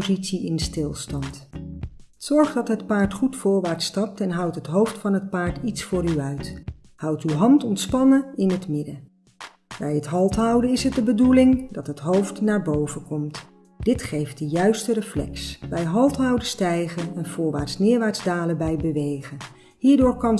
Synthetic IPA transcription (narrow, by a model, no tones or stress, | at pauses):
zitsiɪnstɪlˠstɑnt | z̥ɔɹχdɑtɦətpaːɹtχutfʊːɹʋaːɹtstɑp̚tɛnɦʌwtɦətɦowftfɑnɦət̚paːɹtitsfʊːɾyœɥt | hʌwtywɦɑntɔntspɑnəɪnɦətmɪdə | bɛjətɦɑlˠtɦɑwdənɪsɦət̚dəbədulɪŋdɑtɦətɦowftnaːɹbowvənkɔmt | d̥ɪtχejft̚dəjœɥstərəflɛ̰ksbɛjɦɑlˠtɦɑwdəstɛjχənənvʊːɹʋaːɹtsnɪːɹʋaːɹtzdaːləbɛjbəʋejχə | ɦiːɹdʊːɹkɑn